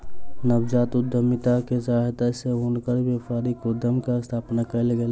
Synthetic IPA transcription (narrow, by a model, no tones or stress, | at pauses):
nəbd͡ʒaːt̪ʊd̪əmɪt̪akesaːɦt̪aseɦonkəɾbefʰaːɾikod̪əmkaɪst̪ʰaːpnakəlɡel